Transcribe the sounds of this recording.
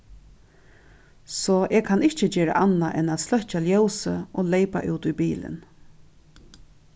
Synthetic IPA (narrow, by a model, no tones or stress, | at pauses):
sɔːʔɛːɡkʰanɪht͡ʃəd͡ʒeːɹa̰ʔanːaʔɛnat̪slœht͡ʃaljowsəoːlejpa̰ʔuːt̪ujbiːlɪ̰n